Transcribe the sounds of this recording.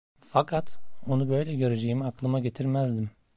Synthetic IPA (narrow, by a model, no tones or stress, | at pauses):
fakʰat̪o̞nubø̞jlʲɛɟø̞ɾed͡ʒe̞jimiaklˠɯmaɟe̞t̪ʰiɾmæzd̪im